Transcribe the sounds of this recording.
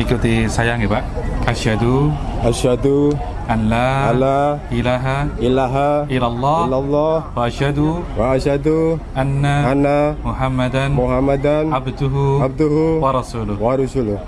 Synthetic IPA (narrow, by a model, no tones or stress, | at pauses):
ikut̪isajaŋibaʔʔaʃhad̪uʔaʃhad̪u | ʔanlalailaːɦailaɦaʔilalˤːɑːlːalˤːɑwaʔaʃhad̪u | waaʃhad̪uʔanːaanːamʊħamːad̪anmuɦamːad̪anʕabd̪ʊɦuab̚d̪uɦuwaɾˤɑsuːlʊwaɾusulʊh